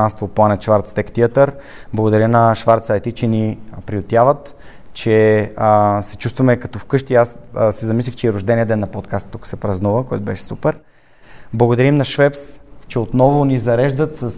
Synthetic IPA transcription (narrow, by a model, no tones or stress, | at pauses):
anst̪voplˠanət̪ʃvaɾt̪st̪ɛkt̪iət̪əɾ | blˠɐɡʊd̪ɐɾʲjənɐʃvaɾt̪sajt̪it͡ʃɛnipɾiʊt̪ʲjavət̪ | t͡ʃɛəsɛt͡ʃust̪vɐmɛkɐt̪ɔfkɤʃt̪iassɛzɐmislʲixt͡ʃɛiɾʊʒd̪ɛniɛd̪ɛnːɐpot̪kast̪ːukə̥sɛpɾɐznuvəkɔɛt̪ʊbɛʃɛ̥supɛɾ | blˠɐɡʊd̪ɐɾimnɐʃvɛpst͡ʃɛot̪nɔvʊnizɐɾɛʒd̪ət̪səs